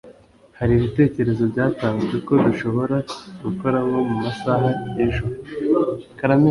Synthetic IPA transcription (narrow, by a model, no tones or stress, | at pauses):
haɾiːβite̞ːce̞ɾe̞zo̞bɟaːtaːŋzɡe̞ko̞duʃo̞βo̞ɾaɡuko̞ɾaβo̞mumasaɦajenʒuɾo | kaɾame